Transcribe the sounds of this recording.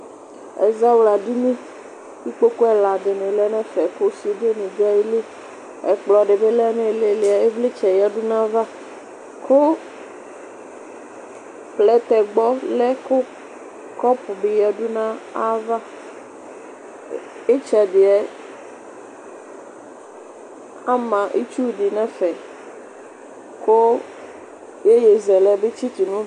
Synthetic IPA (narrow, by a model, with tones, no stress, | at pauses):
ɛ̰˨za˦wla˨ɖi˦mẽ˦ | ti˦k͡po˦ko˦ɛ˨la˨d̪e˨nẽ˨lɛ˦nɛ̃˦fɛ˨ko˦si˨o˨de˦nẽ˨d̪e˦a˨ji˦le˦ | ɛ̰˨k͡plɔ˨a˨ɖe˨be˦lɛ˦nɛ̃˦˨le˨le˨a˨e˦vle˦t͡ʃɛ˨ja˨ɖu˦nã˦va˦ | kʰo˦ | plɛ˦t̪ɛ˨ɡ͡bɔ˦lɛ˦ko˦ | kɔ˦po˨be˨ja˨ɖu˦nã˦a˦va˦ | e˦t͡ʃa˨de˨a˨ | a˦mã˨ʔḛ˦t͡ʃu˦di˨nã˦fɛ˨ | ko˦ | je˦je˨zɛ˨lɛ˨be˦t͡ɕi˦t̪i˨nũ˦